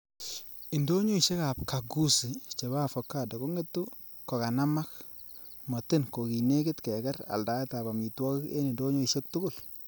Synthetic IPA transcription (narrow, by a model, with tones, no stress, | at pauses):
i˨ndo˦ɲo˦i˨ʃe˦ka˨pka˨ɡu˦si˨t͡ʃe˨baː˦fɔ˨kːa˦˨da˨ko˦ŋe˦tːu˦ | kɔ˨ka˨na˦ma˦k | mɔ˨tɪ˦nko˨ki˨ne˦kɪ˦tkɛ˨kɛ˦ɾa̰˨lda˦ɛ˦ta˨ba˨mi˨twɔ˦kɪ˦kḛ˦ni˨ndo˦ɲo˦i˨ʃe˦k̚tʊ˦kʊ˦˨l